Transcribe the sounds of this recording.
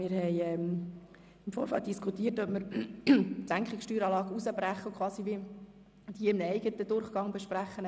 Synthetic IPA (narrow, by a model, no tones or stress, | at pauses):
mɪːɾhɛɪɛm | ɪmfoːɾfɑ̰lt̚d̥iskʰutiːərtœpməɾ | tlæŋkχikʃtyːɾɑːlɑːɡusəbɾæχːəkχwɑːsiʋi | d̥iəɪmnəɛɪɡətəd̥̪ʊrχɡ̥ɑŋbɛʃpræχːən